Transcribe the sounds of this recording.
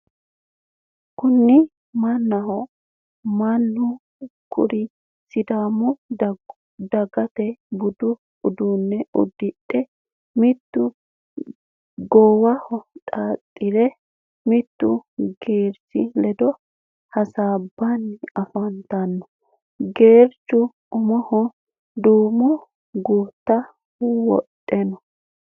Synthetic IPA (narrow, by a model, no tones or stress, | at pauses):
kʊnːɪ | mɐnːɐhɔ | manːʊ | kʰʊ̰ɾɪ | sɪd̪aːmʊ | d̪ɐɡɐt̪ɛbʊd̪ʊ | ʊd̪uːnːɛʊ̰d̪ːɪɗɛ | mɪt̪ːʊ | ɡɔːwɐhɔtʼaːt̪ʼːɪɾɛ | mɪt̪ːʊɡeːɾsɪlɛd̪ɔ | hɐsaːbːanːɪɐfɐnt̪ɐnːɔ | ɡeːɾt͡ʃːʊ | ʊmɔhɔ | d̪uːmʊ | ɡuːt̪ːɐ | wɔ̰tʼːɛnɔ